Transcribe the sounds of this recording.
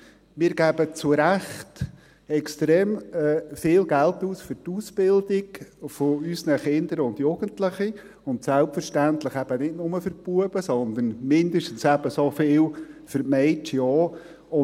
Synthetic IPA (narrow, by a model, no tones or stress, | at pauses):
mɪːɾɡ̥æb̥ət͡sʊɾæχt | ɛkstɾeːmɛfɪːlɡæltuːsfʏɾtuːsb̥ɪldiɡfoysnəχɪnd̪əɾʊnd̪jʊɡ̥əntləχi | ʊntsælpfəɾʃtænt̪ləχæb̥ənɪtnʊməfəɾpuəb̥əsɔnd̪ənmɪnd̪əʃtn̩sæbəsofɪːwfəɾtmɛɪt͡ʃɔː | ʊ